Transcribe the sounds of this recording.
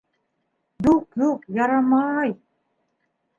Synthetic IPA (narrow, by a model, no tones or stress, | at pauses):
d̪uqjuqjɑɾɑmɑj